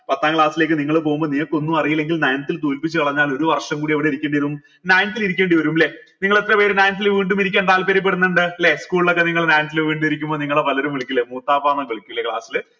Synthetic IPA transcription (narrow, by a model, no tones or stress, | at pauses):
pɐt̪ːaːŋkɭaːsile̞ːkːɨniŋːɐɭɨp̬o̞ːɣumbo̞ːniŋɐkːo̞nːumɐrijilːe̞ŋɡilnɐjɐnɐt̪ːilt̪uːlpit͡ɕːɨkɐɭɐɲːaːlo̞ɾuʋɐrʂɐmkuːɽiɐʋiɽe̞iɾikʲːeːɳɖiʋɐɾum | naːjnɐt̪ːiliɾikʲːeːɳɖiʋɐɾumle | niŋːɐɭet̪ːrɐpe̞ːɾunaːjnt̪̬ːilʋiːɳɖumiɾik̬ʲːeːɳt̪aːlpeɾip̬ːe̞ɽunːuɳɖɨleskuːɭilo̞kːeniŋːɐɭnaːjnt̪ilʋiːɳɖumiɾikʲːumboːniŋːɐɭepɐlɐɾumʋeɭikʲːulːemuːt̪ːaːbaːnɐkeɭikʲːuilːekɭa̰ːsilɨ